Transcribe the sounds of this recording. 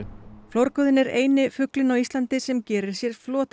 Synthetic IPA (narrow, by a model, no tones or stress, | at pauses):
flowɾkœðɪnɛɾeːjnɪfʏklɪnawist̪lant̪ɪsɛmcɛːɾɪɾ̥sjɛɾ̥flɔːt̪